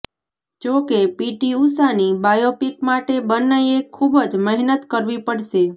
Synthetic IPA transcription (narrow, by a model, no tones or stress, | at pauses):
d͡ʒokepiʈiusanibajopikmaʈebənːəjekʰubəd͡ʒməɦnət̪kəɾʋipəɽʃe